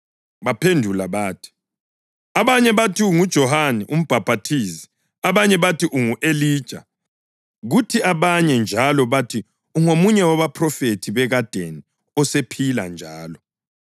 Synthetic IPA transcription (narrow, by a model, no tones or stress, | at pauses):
βapʰendʱulaβaːtʰi̥ | aβaɲɛβatʰiuŋud̥ʒ̥ʱɔhanɛʔum̩b̥ʱab̥ʱatʰiːsi̥ | aβaɲɛβatʰiʔuŋuʔeliːd̥ʒ̥ʱa̰ | ɣutʰiaβaɲɛnd͡ʒʱalɔβatʰi | uŋomuɲɛwaβapʰrɔfetʰiβɛɣad̥ʱeni | ɔsepʰila̰nd͡ʒʱaːlɔ